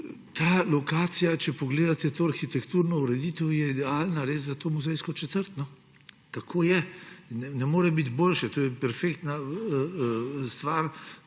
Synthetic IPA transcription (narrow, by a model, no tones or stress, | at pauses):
t̪aːlɔkaːt̪sijat͡ʃɛpɔɡleːd̪at̪ɛt̪oːaɾxit̪ɛkt̪uɾnɔuɾɛd̪iːt̪ɛwjɛid̪ɛaːlnaɾeːszat̪oːmuzɛjskɔt͡ʃɛt̪əɾt̪nɔ | kakʰoːjɛnɛnɛmoːɾɛbit̪boːlʃɛt̪oːjɛpɛɾfeːkt̪na | st̪ʋaːɾ